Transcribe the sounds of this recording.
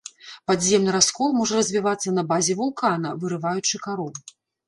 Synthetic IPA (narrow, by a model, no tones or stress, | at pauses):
pad̪zʲɛmnɨɾaskɔlˠmɔʐɐɾɐzʲvʲivat̪sːɐnɐbazʲɛvulˠkan̪ɐvɨɾɨvajut͡ʂɨkaɾɔw